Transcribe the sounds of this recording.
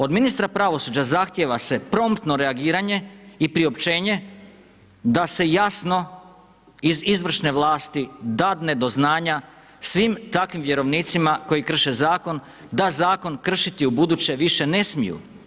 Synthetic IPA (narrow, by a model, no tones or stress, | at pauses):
o̞d̪minist̪ɾapɾaʋo̞sud͡ʑazaxt̪jeʋase̞pɾo̞mt̪no̞ɾe̞aɡiːɾaɲe̞ipɾiopt͡ʃe̞ːɲe̞ | d̪ase̞jasno̞ | izizʋr̩ʃne̞ʋlˠaːst̪id̪ad̪ne̞d̪o̞znaːɲa | sʋimt̪akʋimʋje̞ɾo̞ʋniːt̪simako̞jikr̩ʃezaːko̞n | d̪azaːko̞nkr̩ʃit̪iubud̪ut͡ɕe̞ʋiʃe̞ne̞smijṵ